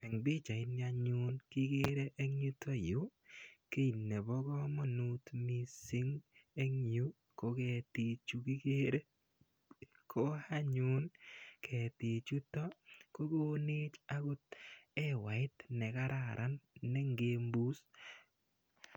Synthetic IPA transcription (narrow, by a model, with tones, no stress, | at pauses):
ɛ˨ŋbi˦t͡ʃa˨ɪ˦na˧ɲʊ˦nkɪ˦ɡe˦ɾe˦ʔe˦ŋu˦tɔ˦˨ju˨˦ke˦i˨nːe˨bɔ˦ɡɔ˦mɔ˦nu˦tmi˨sɪ˦ŋe˦ŋu˦ | ko˨˦ke˨ti˨t͡ʃu˧ki˦ɡe˦ɾe˦ | kʰo˦ha˦ɲʊ˦nkʰɛ˨ti˨t͡ʃu˦tɔ˦ko˦ɡo˦ni˦t͡ʃa˦ɡʊ˦t̚ɛ˦wa˨ɪ˦t̪nɛ˨ka˦ɾa˨ɾʔa˦nːɛ˦ŋɡe˨˧mbu˦s